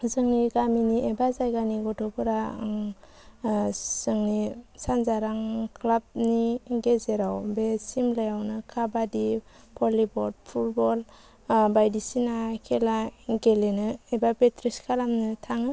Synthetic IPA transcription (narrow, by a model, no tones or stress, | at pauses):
zɯŋniɡaminiʔebazajɡaniɡɔtʰɔpʰɯɾaŋ | z̥ɯŋnisanzaɾaŋkʰlab̚niɡezeɾawbesimlajawnɯkʰabadi | pʰɔlibɔd̚pʰut̚bɔl | bajdisinakʰelaɡelenɯebapetɾiskʰalamnɯtʰaŋɯ